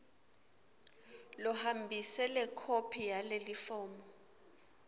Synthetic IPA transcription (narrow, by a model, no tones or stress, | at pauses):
lɔhambʱisɛlɛkʰopʰijalelifɔːmɔ